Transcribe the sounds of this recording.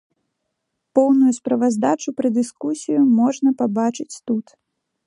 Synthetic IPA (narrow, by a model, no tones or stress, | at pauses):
pɔwnujuspɾɐvazd̪at͡ʂupɾɐd̪ɨskusʲijumɔʐnɐpabat͡ʂɨt͡sʲt̪ut̪